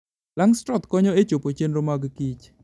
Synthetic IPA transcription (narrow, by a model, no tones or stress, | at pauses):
laŋstɾɔt̪kɔɲɔet͡ʃopot͡ʃenɾomaɡkit͡ʃ